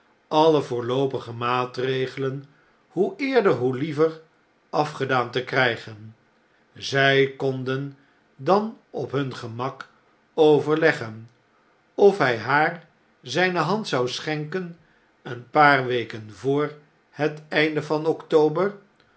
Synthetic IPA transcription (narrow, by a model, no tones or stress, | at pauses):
ʔɑləvʊːɹlowpəχəmaːtrejχələn | huʔɪːɹdəɹɦulivər | ʔɑfχədaːntəkrɛjχən | zɛjkɔndən | dɑn | ɔpɦɵnχəmɑk | owvəɹlɛχən | ɔfɦɛjɦaːɹ | zɛjnəɦɑntsɑwsχɛŋkən | ənpaːrʋejkənvʊːɹ | hətɛjndəvɑnɔktowbər